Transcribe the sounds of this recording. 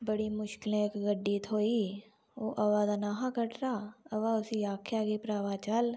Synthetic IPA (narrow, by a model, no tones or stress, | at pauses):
bəɽiːmʊʃkɪlẽkɡəɖːiːt̪ʰɦoːiː | oːʔəʋaːd̪anaːɦãkəʈɾaːəʋaːʊsiːaːkʰjaːkiːpɾaːʋaːt͡ʃəl